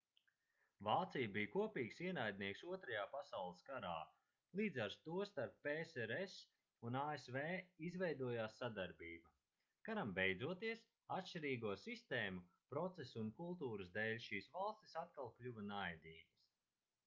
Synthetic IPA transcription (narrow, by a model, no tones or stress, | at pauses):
vaːt̪sijbijkuɔpiːksiɛnajd̪̚niɛksuɔt̪ɾajaːpasawlˠəskaɾa̰ː | lˠiːd̪zaɾst̪uɔst̪aɾppesɛɾɛs | unaːesveːizvɛjd̪uɔjaːsːad̪aɾbiːbɐ | kaɾambejd̪zuɔt̪iəs | at̪ʃt͡ʃiɾiːɡuɔsist̪eːmu | pɾɔt̪sesunkulˠt̪uːɾɨzd̪eːlʲʃiːsvalˠst̪i̥sat̪̚kalˠklʲuvanajd̪iːɡis